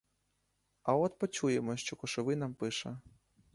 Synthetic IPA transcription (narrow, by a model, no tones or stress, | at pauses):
ɐɔt̪pɔt͡ʃujɛmɔʃt͡ʃɔkɔʂɪʋɪnampɪʂɐ